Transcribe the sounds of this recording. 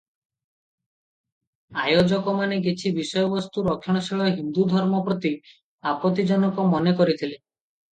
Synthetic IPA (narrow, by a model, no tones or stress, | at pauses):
ajod͡ʒɔkɔmaneɡet͡ʃʰibisɔjɔbɔst̪uɾɔkʰːɔɽ̃ɔsiɭɔɦind̪ud̪ʱɔɾmɔpɾɔt̪i | apɔt̪id͡ʒɔnɔkɔmɔnekɔɾit̪ʰile